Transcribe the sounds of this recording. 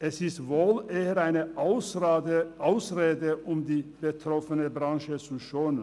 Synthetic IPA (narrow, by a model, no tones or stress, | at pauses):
ʔɛsɪstvoːlʔeːəʁaɪnəsʔaʊsʁeːdəʔʊmdiːb̥ətʁ̥ɔfənəbʁãŋʃət͡suʃoːnən